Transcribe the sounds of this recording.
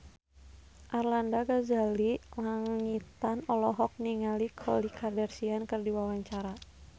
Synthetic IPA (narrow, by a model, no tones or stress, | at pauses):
ʔarlandaɡazalilaŋit̪anɔlɔɦɔk̚niŋalikʰɔlikʰardɛrsiankɨrdiwawaɲt͡ʃaɾa